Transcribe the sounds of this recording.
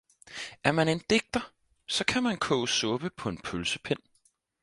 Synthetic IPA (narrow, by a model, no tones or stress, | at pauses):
ʔæɐmæne̝nd̥e̝ɡ̥̚d̥ɐ | sɒ̽kʰæmænkʰɔːsɔb̥əpʰɒ̽e̝npʰølsəpʰen̰